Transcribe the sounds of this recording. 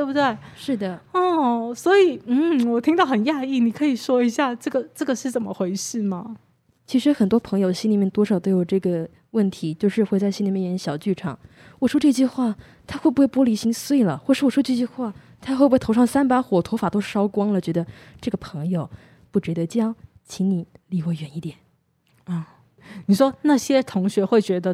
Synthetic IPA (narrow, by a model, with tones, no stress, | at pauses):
t̪o˥˧˩bu˩t̪we˥˩ɪʂɻ̩˥˩d̪ə˩ɔ˥˩swɔ˧˥i˨˩˦n̩˥˩wɔ˨˩t̪ʰi˥ŋt̪ɑ˥˩ʊxə˨˩nja˥˧i˥˩ni˨˩kʰɤ˧˥i˨˩ʂwɔ˥i˧˥ɕja˥˧ʈ͡ʂɤ˥˩ɡə˩ʈ͡ʂɤ˥˩ɡə˩ʂɻ̩˥˩t͡sə˨˩nmə̰˦xwe˧˥ɪʂ̩˥˩mɐ˩ | t͡ɕʰi˧˥ʂɻ̩˧˥xə˨˩nt̪wɔ˥pʰɤ˧˥ŋjo˧ʊ˩ɕi˥nli˨˩mjɛ˥˧nt̪wɔ˥ʂɑ˨˩ʊt̪o˥ʊjo˨˩ʈ͡ʂɤ˥˩ɡə˩ | wə˥˩nt̪ʰi˧˥t͡ɕjo˥˧ʊʂɻ̩˥˧xwe˥˧t͡sa˥˩ɪɕi˥nli˨˩mjɛ˥˩jɛ˧˥nɕjɑ˨˩ʊt͡ɕy˥˩ʈ͡ʂʰɑ˨˩˦ŋ | wɔ˨˩ʂwɔ˥ʈ͡ʂɤ˥˧t͡ɕy˥˧xwa˥˩ | t̪ʰa˥xwbu˧˥xwe˥˩ɪpwɔ˥li˧˥ɕi˧˥ŋswe˥˩ɪlə˩xwʂɻ̩˥˩wɔ˨˩ʂwɔ˥ʈ͡ʂɤ˥˧t͡ɕy˥˧xwa˥˩ | t̪ʰa˥xwe˥˩bt̪ʰʊʂɑ˥˩ŋsa˥npa˧˥xwɔ˨˩t̪ʰo˧˥ʊfa˨˩t̪o˥ʊʂ̩˥˩ʂɑ˥ʊkwɑ˥ŋlə˨t͡ɕɥɛ˧˥d̪ə˧ʈ͡ʂɤ˥˩ɡə˩pʰɤ˧˥ŋjo˨˧ʊ | pu˥˩t͡ɕɻ̩˧˥d̪ə˧t͡ɕjɑ˥ŋ | t͡ɕʰi˧˥nni˨˩˦li˧˥wɔ˥˧˩ɥɛ˧˥ni˥˩t̪jɛ˨˩˦n | ə˥˩ | ni˨˩ʂwɔ˥na˥˩ɕjɛ˥t̪ʰʊ˧˥ŋɕɥɛ˧˥xwe˥˩ɪt͡ɕɥɛ˧˥d̪ə˧